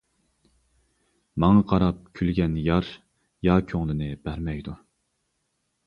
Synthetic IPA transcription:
mɑŋɑqʰɑɾɑp̚kʲʰylɡʲɛnjɑɾ | jɑːkʲʰøŋlˠɪnɪb̥æɾmɛjd̪u

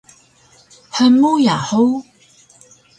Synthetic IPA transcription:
ħəmujaħow

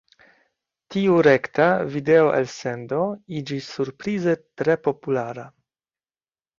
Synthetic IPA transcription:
tiuɾe̞ktavide̞oʔḛlse̞ndo̞id͡ʒisːuɾpɾize̞tɾe̞po̞pulaɾa

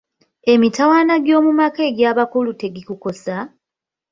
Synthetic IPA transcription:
e̞mitawaːnaɡjo̞ːmumake̞ːɡjaːβakulute̞ɡikuko̞sa

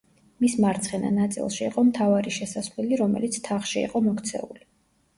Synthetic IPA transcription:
mismaɾt̪sʰχɛna̰nat̪sʼḭlˠʃiːqʼɔmt̪ʰavaɾiʃɛsasvlɛliɾɔmɛ̰lit̪sʰt̪ʰaχʃiḭqʼɔmɔkʰt̪sʰɛ̰uli

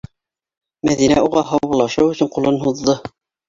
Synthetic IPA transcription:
mæðinæ̰uʁɑɦɑβulˠɑʃɤwɵ̆sɵɴqulˠɤnɦuðːɤ

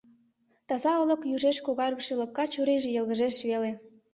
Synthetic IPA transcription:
t̪ɑzɑə̆lə̆kjuʒeʃkoɣɑrɣəʃelop̚kɑt͡ɕuɾeʒĕjəlɣəʒeʃβele

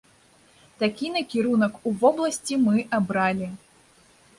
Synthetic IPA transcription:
t̪akʲinɐkʲiɾunɐkuvɔblˠɐsʲt͡sʲimɨʔabɾalʲi

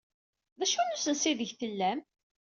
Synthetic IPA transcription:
ðæʃunusənsiðəʝθəlːæm

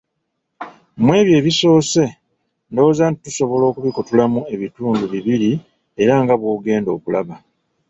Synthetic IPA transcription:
mwe̞ːβje̞ːβiso̞ːse̞ | ndo̞ːzaːntituso̞βo̞lo̞ːkuβikutulamue̞βituːnduβiβiɾi | e̞ɾaŋɡaβwoːɡe̞ːndo̞ːkulaβa

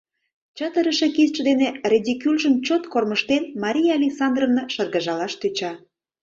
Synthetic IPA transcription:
t͡ɕɑt̪əɾə̆ʃekizt͡ʃə̆d̪eneredʲikylʒəmt͡ɕot̪korməʃt̪enmɑɾʲijaɑlʲeksɑnd̪rovnoʃɤrɣɑʒɑlɑʃt̪yt͡ɕɑ

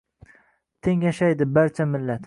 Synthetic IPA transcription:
t̪ʰeŋjaʃajd̪ɪbaɾt͡ʃʰamɪlːat̪

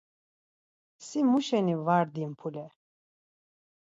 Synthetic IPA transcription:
simuʃɛnivaɾd̪impʰulɛ

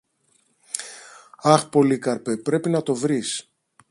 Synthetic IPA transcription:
ɐxpo̞likɐɾpe̞pɾe̞pinɐt̪o̞vɾis

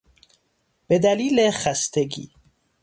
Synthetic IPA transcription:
b̥ed̪æliːlexæst̪ʰeɡḭː

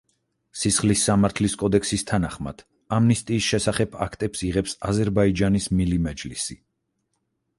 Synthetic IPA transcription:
sisχlisːamaɾt̪ʰliskʼɔd̪ɛksist̪ʰanaχma̰d̪̥ | amnist̪ʼiːsʃɛsaχɛbʰa̰kʰt̪ʼɛpsiʁɛpsazɛɾbaid͡ʒanismilimɛd͡ʒlisi

